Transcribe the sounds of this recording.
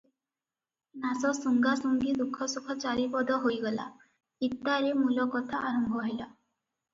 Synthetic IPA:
nasɔsuŋɡasuŋɡid̪ukʰːɔsukʰɔt͡ʃaɾipɔd̪ɔɦojɡɔla̰ | it̪ːaɾemulɔkɔt̪ʰaʔaɾɔmbʱɔɦela

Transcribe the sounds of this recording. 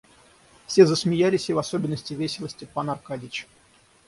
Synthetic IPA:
fsʲezəsmʲɪjalʲɪsʲɪvɐso̞bʲɪnːəsʲtʲɪvʲesʲɪlˠəsʲtʲɪpanɐrkadʲɪt͡ɕ

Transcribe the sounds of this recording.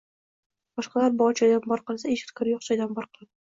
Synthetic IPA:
b̥ɒʃqɑlaɾbʊɒt͡ʃʰajd̪anbɒɾqɨlˠsaeʃɪ̥t̪kʰɒɾjoqt͡ʃʰajd̪ambɒɾqʰɨlˠad̪ɪ

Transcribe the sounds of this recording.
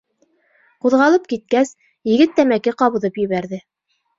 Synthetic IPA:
quðʁɑlˠɤp̚kit̪̚kæs | jɘ̆ɡɘt̪ːæmækɘqɑβɤ̆ðɤpjɘ̆βæɾðɘ

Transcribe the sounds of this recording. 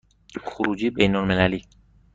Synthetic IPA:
xoɾuːd͡ʒiːbejnolmelæliː

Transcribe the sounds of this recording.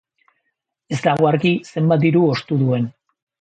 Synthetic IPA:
e̞zd̪aɣoaɾkise̞mbat̪̬̚d̪iɾuo̞st̪uðue̞n

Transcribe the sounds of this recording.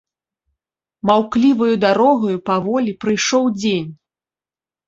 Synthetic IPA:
mawklʲivɐjud̪aɾɔɣɐjupavɔlʲipɾɨjʂɔwd͡zʲenʲ

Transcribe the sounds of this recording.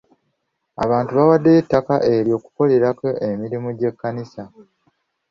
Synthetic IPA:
a̰βaːntuβawadːeːtːakaʔe̞ɾjo̞ːku̥ko̞le̞ɾakoʔemiɾimuɟe̞kːanisa

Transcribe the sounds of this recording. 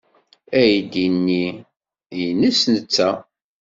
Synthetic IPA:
æjd̪inːi | jnəsnət͡sːæ

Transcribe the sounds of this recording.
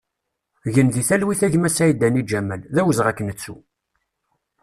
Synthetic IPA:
ʝənðiθælwiθæʝmæsæjd̪ænid͡ʒæmælðæwəzʁækːənət͡sːṵ

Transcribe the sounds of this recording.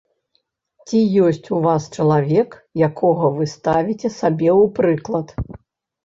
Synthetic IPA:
t͡sʲijɔsʲt͡sʲuvast͡ʃɐlˠavʲɛkjakʰɔɣɐvɨst̪avʲit͡sʲɛsabʲɛwpɾɨklˠɐt̪

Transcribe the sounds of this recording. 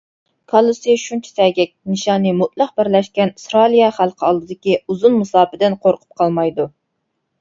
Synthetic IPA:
kʰɑlˠːusijʃunt͡ʃʰi̥sɛɡʲɛk̚ʲnɨʃɑːnɨmut̪̚lˠɑq̚bɪɾlɛʃkʲɛnsɾɑlˠijɑχælˠqʰəɑlˠd̪ɨd̪ɪkʲiuzunmɨsɑːpɪd̪ɪnqʰoɾqʰʊ̥p̚qʰɑlˠmɑjd̪u

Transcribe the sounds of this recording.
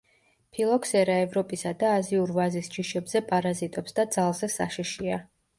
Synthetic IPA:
pʰilˠɔksɛɾaɛvɾɔpʼisad̪aːziuɾvazisd͡ʒiʃɛbzɛpʼaɾazit̪ʼɛpsd̪ad̪zalˠzɛsa̰ʃiʃia

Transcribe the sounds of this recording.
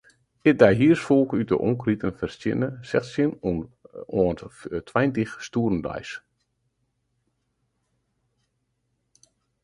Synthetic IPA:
ɪk̚dajɦiərsfolˠkyt̚də̰ʔɔŋkritənfərstjɪ̰nəsɛxtsjɪn | əntʰwɛjntixstuərn̩da̰js

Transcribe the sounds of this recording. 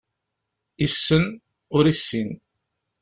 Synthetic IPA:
isːən | ʊɾisːin

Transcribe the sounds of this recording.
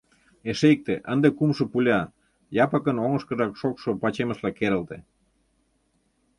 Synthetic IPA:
eʃek̚t̪eʔənd̪ekumʃŏpulʲɑ | jɑpə̆kənoŋə̆ʃkəʒɑkʃokʃopɑt͡ɕemə̆ʃlɑkeɾə̆lt̪e

